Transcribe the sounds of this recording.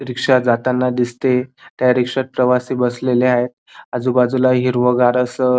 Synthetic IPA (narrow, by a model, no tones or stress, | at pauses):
ɾikʂad͡zat̪anːad̪ist̪et̪jaɾikʂat̪̚pɾəʋasiːbəsleleaɦet̪̚ad͡zuːbad͡zulaɦiɾʋəɡaɾəsə